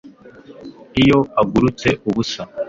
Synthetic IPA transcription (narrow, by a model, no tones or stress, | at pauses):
ijo̞aɡuɾut͡se̞ʔuβusa